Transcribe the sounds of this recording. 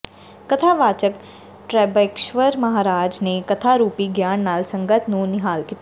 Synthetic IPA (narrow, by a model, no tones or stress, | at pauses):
kɐt̪ʰaʋaːt͡ʃək | ʈɾɛːbekʃʋəɾmɐɦaːɾaːd͡ʒnekɐt̪ʰaɾuːpiɡjaːnːaːlsɐ̃ŋɡət̪ʰnũnɪɦaːlkit̪ː